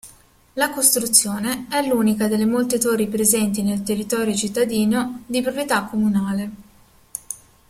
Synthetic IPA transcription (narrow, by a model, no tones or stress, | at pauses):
lakost̪ɾut̪sːjoːneɛlːuːnikad̪elːemolt̪et̪oripɾezɛnt̪inelt̪erːit̪ɔːɾjot͡ʃit̪ːad̪iːnod̪ipɾopɾjet̪akʰːomunaːle